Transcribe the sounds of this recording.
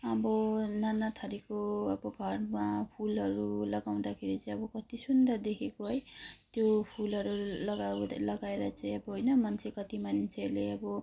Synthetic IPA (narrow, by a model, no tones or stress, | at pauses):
ʌbʌnanat̪ʰaɾikoʌbʌɡʱʌrmapʰulʌɾulʌɡaw̃d̪akʰeɾit͡sʌĩʌbʌkʌt̪isund̪ʌrd̪ekʰekoɦʌjt̪jopʰulʌɾulʌɡawlʌɡaeɾʌt͡saj̃ʌbʌɦojnʌmʌnt͡sʰekʌt̪imʌnt͡sʰeleʌbʌ